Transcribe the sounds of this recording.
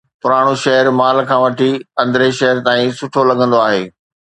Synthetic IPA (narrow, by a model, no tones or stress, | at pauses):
pʊɾaːɽ̃uʃɐɦəɾmaːlkʰãːʋɐʈʰiɐ̃nd̪ɾeʃɐɦəɾt̪aːĩsʊʈʰolɐɡʱə̃n̆d̪oaːɦeː